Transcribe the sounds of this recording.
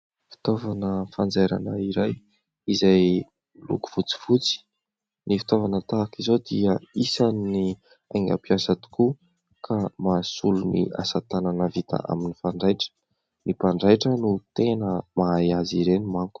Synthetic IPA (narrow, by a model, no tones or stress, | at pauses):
fi̥t̪ovanəfand͡zaɾa̰nəiɾaj | izaj | lṵku̥v̥ut͡si̥fut͡si̥ | nifi̥t̪ovanət̪aːkizod̪iəisanni | a̰jŋɡa̰piasat̪u̥ku | kʰamasulunḭa̰sat̪ananəvit̪a̰ʔa̰minifaɳɖ͡ʐajʈ͡ʂə̥ | mipaɳɖ͡ʐajʈ͡ʂənut̪enəmajaziɾenimaŋku̥